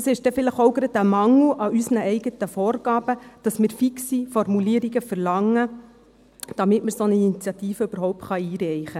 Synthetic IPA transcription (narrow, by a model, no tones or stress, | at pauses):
sɪʃdɛfɪləχowɡɾɑd̪æmɑŋl̩ʔɑʔysənəɛɪɡət̪əfɔːɾɡɑːbəd̥ɑsmɪːɾfiksifɔɾmuliəɾiɡəfəɾlɑŋːə | d̥ɑmɪtməɾsɔnəinit͡sjɑt̪iːfəøbəɾɦɔwp̚t̪χɑiːɾɛjχə